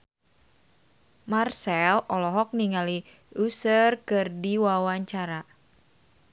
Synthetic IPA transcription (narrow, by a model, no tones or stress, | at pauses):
marsɛlʔɔlɔɦɔk̚niŋali | usərkɨrdiwawaɲt͡ʃaɾa